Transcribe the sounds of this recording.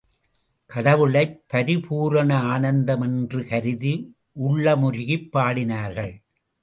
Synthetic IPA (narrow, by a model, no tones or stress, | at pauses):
kɐɽɐʋɯɭɐɪpːɐɾɪpuːɾɐɳɐaːnɐnd̪ɐmɛndrɯkɐɾɪði | ʔʊɭːɐmʊɾɪɣɪpːaːɽɪnaːɾɣɐɭ